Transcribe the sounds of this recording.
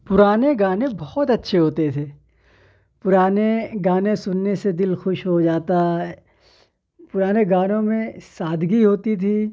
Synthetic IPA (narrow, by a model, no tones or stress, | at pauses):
pʊɾaːneɡãːnẽbɔːɔt̪ɐtːʃʰeɦoːt̪et̪ʰeː | pʊɾaːneɡãːnẽsʊnːesed̪ɪlxʊʃɦod͡ʒaːt̪aɦɛ | pʊɾaːneɡaːnõmẽsaːd̪ʱɡiɦoːt̪it̪ʰiː